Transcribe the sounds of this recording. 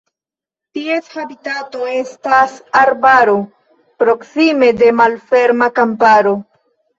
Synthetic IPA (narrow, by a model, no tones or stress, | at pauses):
tieshabitatoe̞stasaɾbaɾo | pɾo̞ksime̞de̞malfe̞ɾmakampaɾo̞